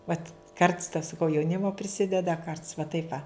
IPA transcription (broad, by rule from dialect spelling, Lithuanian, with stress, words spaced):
ˈʋɐt kɐrts tɐ sɐˈkɐʊ jɛʊˈnʲɪmoː pʲrʲɪˈsʲɪdʲɛdɐ ˈkɐrts ʋɐ ˈtɐɪp ʋɐ